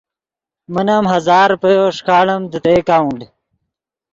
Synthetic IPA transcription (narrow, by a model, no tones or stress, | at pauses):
mənɐmɦɐzaːɾpejoʂkʰaːɽɐmd̪ət̪eːkaːuɳɖ